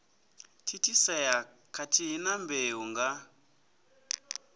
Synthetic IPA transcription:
tʰitʰisɛja | kʰatʰiɦinambeɦuŋɡa

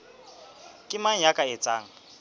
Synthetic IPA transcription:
kʼɪmaŋ̩jakʼaet͡sʼa̰ːŋ̩

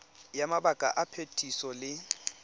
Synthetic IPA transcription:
jamabakʼa̰ʔapʰetʰʼisɔlɪ

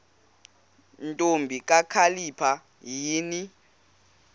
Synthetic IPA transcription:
ntʼombʱikʼakʰalipʰa | jiːni

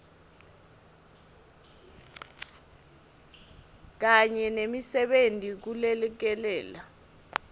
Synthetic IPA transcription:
k̬aɲɛnemisɛɓentʼik̬ulɛlɛk̬ɛlɛːla

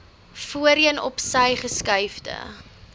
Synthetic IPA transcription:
fuəɾiənɔ̰psɐjχəskɐjfdə̰

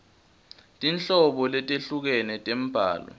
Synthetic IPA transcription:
tʼint͡ɬʼɔɓɔlɛtʼeɬuk̬ɛnɛtʼem̩b̥ʱa̰ːlɔ̰

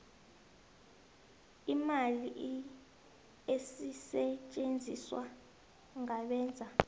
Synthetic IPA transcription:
imaliʔ | esisɛt͡ʃʼend͡zʱiswa | ŋaɓɛːnd͡zʱa

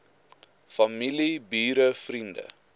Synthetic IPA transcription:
fɐmilibiːɾəfrində̰

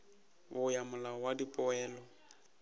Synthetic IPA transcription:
βʊjamʊlaɔwadipʼɔɛːlɔ

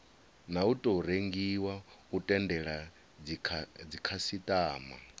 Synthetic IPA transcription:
nautʼɔɾeŋɡiwautʼɛndɛɺa | d͡zikʰasit̪ʼaːma̰

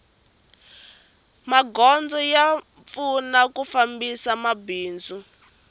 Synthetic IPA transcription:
maɡɔnd͡zɔja | p̪funakufambisamabiːnd͡zu

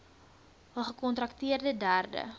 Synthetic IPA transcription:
ɦəlχəkɔntɾɐktiərdədæːrdə̰

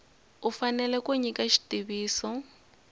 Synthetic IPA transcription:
ufanɛlɛkoɲikʼaʃi̥tʼiβiːsɔ

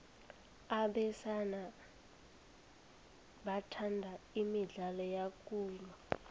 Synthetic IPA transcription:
aɓɛsana | ɓatʰandʱaimiɮalɔjakʼuːlwa

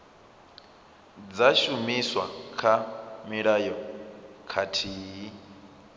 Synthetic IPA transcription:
d͡zaʃumiswa̰kʰamiɺajɔkʰatʰiːi

